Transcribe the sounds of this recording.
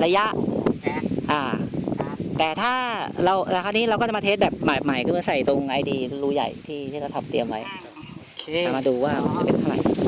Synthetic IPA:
ɾa˧ja˦˥ʔ | ʔaː˨˩ | t̪ɛː˨˩t̪ʰaː˥˩ɾa˧w̪t̪ʰa˥˩niː˦˥ɾa˧wkɔː˥˩t͡ɕa˨˩ma˧eː˦˥t̪̚bɛː˨˩p̚ma˨˩ma˨˩jkʰɔ˥˩mɯ˧˥˩sa˨˩jt̪o˧ŋʔa˧jdiː˧ɾuː˦˥ja̰˨˩jt̪ʰiː˥˩iː˥˩ɾa˧˩wt̪ʰa˨˩p̚t̪i˧əmwa˦˥jʰ | maː˧duː˧waː˥˩ma˧nt͡ɕʰa˨˩pe˧ntʰa˥˩ɾa˨˩j

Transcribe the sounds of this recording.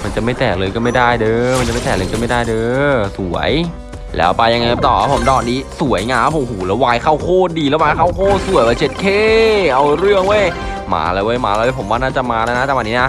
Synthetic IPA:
ma˧nt͡ɕa˨˩ma˥˩jt̪ɛː˨˩lɤː˧jkɔː˥˩ma˥˩jda˥˩jdɤː˧ma˧nt͡ɕma˥˩t̪ɛː˨˩lɤː˧kɔː˥˩ma˥˩jdaː˥˩jdɤː˧su˨˩˦ɐəj | lɛ̰ː˦˥wpa˧jːa˧ŋːa˧ja˧˩t̪ɔː˨˩a˦˥pʰo˩˦mt̪ɔː˧˨˩nːiː˦˥su˨˩˦əjŋaː˦˧˥oː˨˧˩huː˨˩˦lɛː˦˥waː˧jkʰa˥˩wkʰoː˥˩diː˧lɛː˦˥waː˧jkʰa˥˩wkʰoː˥˩su˨˩əjwaː˧˩t͡ɕʰe˦˥t̪̚kʰeː˥˩ʔa˧wɾɯ˥˩əŋwo˥˩j | ma̰ː˩˦˧laː˧jwːjmaː˧˦˧ljwe˦˥˩pʰo˩˦mwaː˥˩naː˥˩t͡ɕa˨˩maː˧lɛː˦˥na˦˥t̪ɛ˨˩ʔa˧niː˦˥na˦˥

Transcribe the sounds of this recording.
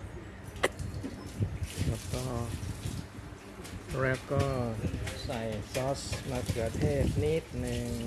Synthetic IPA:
kʰa˦˥p̚kɔː˥˩ | ɾɛː˦˥wkɔː˥˩sa˨˩jsɔː˦˥smaː˧t̪ʰɯ˨˩ɐt̪ʰeː˥˩t̚niː˦˥˩t̪̚nɯ˧ŋ

